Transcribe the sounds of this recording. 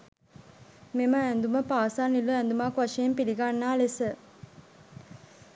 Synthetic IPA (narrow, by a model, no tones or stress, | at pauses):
meməænd̪uməpaːsaːniluænd̪umaːkʋaʂejempiliɡanːaːlesə